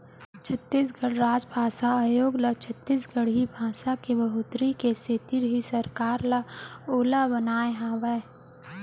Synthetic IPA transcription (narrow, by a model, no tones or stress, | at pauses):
t͡ʃʰət̪ːiːs̬ɡəɽɾaːd͡ʒbʱaːsaaːjoːɡlat͡ʃʰət̪ːiːsɡəɽ̤ibʱaːsakebɐɦʊt̪ɾikeset̪iɾɦisəɾkaːɾlaoːlabənaːeɦaːwa